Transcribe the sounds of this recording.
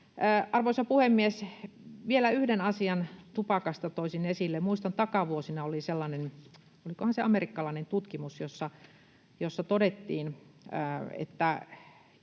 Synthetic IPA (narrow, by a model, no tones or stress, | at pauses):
ʔɑrʋoisɑpuhemːies | ʋielæyhdenɑsiɑnt̪upɑkɑst̪ɑt̪oisinesilːemuist̪ɑnt̪ɑkɑʋuosinɑoliselːɑnen | olikohɑnseɑmerikːɑlɑinent̪ut̪kimusjosːɑ | josːɑt̪odet̪ːiːnəːḛt̪ːæ